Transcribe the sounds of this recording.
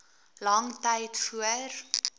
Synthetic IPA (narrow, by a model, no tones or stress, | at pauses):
lɐŋtɛjtfuər